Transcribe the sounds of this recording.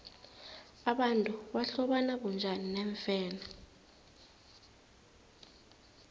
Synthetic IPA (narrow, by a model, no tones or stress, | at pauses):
aɓantʼuɓaɬɔɓanaɓund͡ʒʱaninɛːɱfɛːna